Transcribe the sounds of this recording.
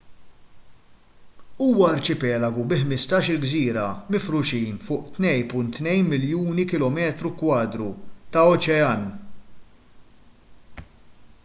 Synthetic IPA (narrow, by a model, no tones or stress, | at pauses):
uːwɐɐɾt͡ʃɪpɛːlɐɡubɪħmɪst̪ɐːʃɪlɡziːɾɐmɪfɾʊʃiːnfʊːʔt̪nɛjnpʊnt̪ːnɛjnmɪljuːnikɪlɔmɛːt̪ɾukwɐːd̪ɾut̪ɐɔt͡ʃɛɐn